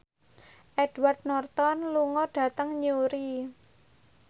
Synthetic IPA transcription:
ʔɛd̥ward̪̥̚nɔrt̪ɔnluŋɔɖ̥ä̤t̪əŋɲuɾi

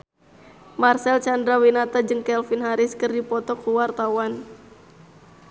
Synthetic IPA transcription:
marsɛlt͡ʃandɾawinat̪ad͡ʒɨŋkɛlfinɦaɾɪskɨrdipɔt̪ɔkuwart̪awan

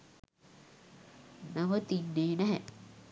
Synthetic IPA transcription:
naʋət̪inːeːnɛɦɛ

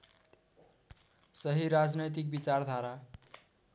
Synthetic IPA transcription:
sʌɦiɾad͡znʌjt̪̬ik̚bit͡sard̪ʱaɾa

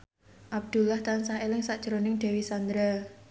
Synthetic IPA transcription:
ʔab̚d̪̥ṳlaht̪ansaelɪŋsaʔd͡ʒ̥əɾonɪŋd̪̥ɛ̤wisand̪ɾa

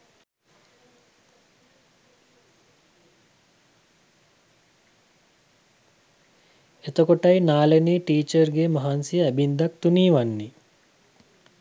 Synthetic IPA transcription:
et̪okoʈajnaːleniːʈiːt͡ʃəɾɡemaɦansijəæbind̪ak̚t̪uniːʋanːi

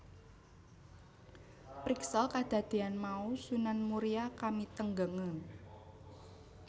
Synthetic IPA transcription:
pɾiksəlkad̪̥ä̤d̪̥e̤anmausunanmuɾiakamit̪əŋɡəŋən

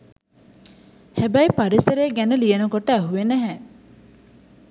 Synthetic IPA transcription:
hæbɐjpɐɾiseɾeːɡænelijɐnukoʈːɐːɦuʋeneɦæː

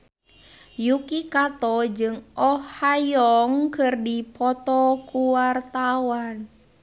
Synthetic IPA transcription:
jukikat̪ɔd͡ʒɨŋɔhːajɔŋkɨrdipɔt̪ɔkuwart̪awan

